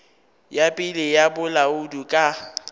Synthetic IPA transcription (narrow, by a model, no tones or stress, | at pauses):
japʼɪlɪjabʊlaʊdukʼa